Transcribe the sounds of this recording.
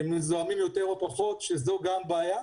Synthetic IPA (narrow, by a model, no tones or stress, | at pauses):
emnizoamimjo̞t̪eʁopaχo̞t̪ʃezoɡambaaːja